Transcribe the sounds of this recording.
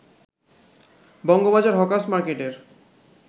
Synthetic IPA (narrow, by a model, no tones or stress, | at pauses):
bɔŋɡobad͡ʑaɾɦɔkasmaɾkeʈeɾ